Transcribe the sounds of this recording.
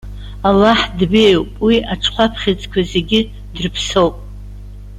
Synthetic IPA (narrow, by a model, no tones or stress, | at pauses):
alːaħdbe̞jwpʼwiaʈ͡ʂʰʼqʷapʰχʲɪt͡sʼkʷʰaze̞ɡʲɪ | drpʰsowpʼ